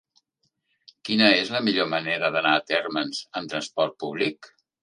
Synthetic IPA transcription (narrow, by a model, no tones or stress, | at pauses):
kinəezləmiʎoməneɾəðənaːt̪ɛrmənz̥ənt̪ɾənspɔɾt̪̚puβ̞lik